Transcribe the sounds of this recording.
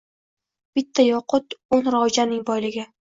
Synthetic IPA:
b̥ɪt̪ʰːajɒqʰʊt̪onɾad͡ʒanɪŋbɒjlɪɡʲɪ

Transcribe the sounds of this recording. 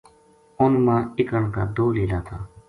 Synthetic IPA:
ʊnmãːɪkəɳkaːd̪oːleːlaːt̪ʰaː

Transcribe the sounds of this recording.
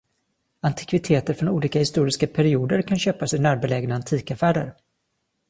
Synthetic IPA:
ant̪ʰɪ̥kvɪt̪ʰeːt̪əɾfɾɔnuːliːkahɪst̪uːɾɪskapʰæɾɪuːd̪əɾkʰanɕøːpasɪnæːɾbɛlɛːɡnaːnt̪ʰiːkafæːɖə̰ɾ

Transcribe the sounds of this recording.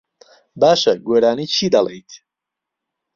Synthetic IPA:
baʃaɡwɛɾanit͡ʃʰid̪alɛ̰jt̪ʰ

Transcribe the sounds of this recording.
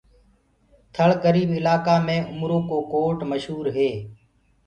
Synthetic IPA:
t̪ʰəɭkəɾiːbɪlaːkaːmẽːʊmɾõːkoːkoːʈməʃɦuːɾɦeː

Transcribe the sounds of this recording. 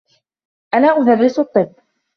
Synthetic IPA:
ʔanaːʔʊðarːɪsɑt̪ˤːɨbː

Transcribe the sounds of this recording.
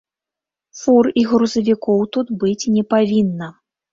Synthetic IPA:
furiɣɾuzɐvʲikɔwt̪ud̪bɨt͡sʲnʲɛpavʲinːɐ

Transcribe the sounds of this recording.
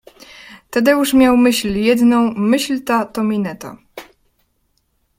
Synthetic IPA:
t̪ɛd̪ɛuʂmʲjawmɘɕlʲjɛd̪nɔ̃w̃mɘɕlʲt̪at̪ɔmʲinɛt̪a̰

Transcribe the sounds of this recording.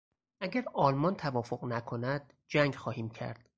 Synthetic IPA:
ʔæɟæɾɒːlmɒnt̪ʰævɒːfoɣnækʰo̞næd̪̥̚ | d͡ʒæŋɡxɒːhiːmcʰæ̰ɾd̪̥

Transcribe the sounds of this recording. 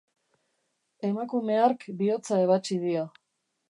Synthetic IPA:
e̞makume̞aɾkbio̞t͡saeβat͡ʃið̞io

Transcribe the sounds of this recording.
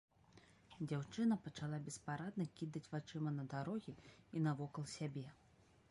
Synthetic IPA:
d͡zʲawt͡ʂɨnɐpɐt͡ʂalˠabʲɛspaɾad̪nɐkʲid̪ɐt͡sʲvat͡ʂɨmɐnɐd̪aɾɔɣʲiinɐvɔkɐlˠsʲabʲɛ

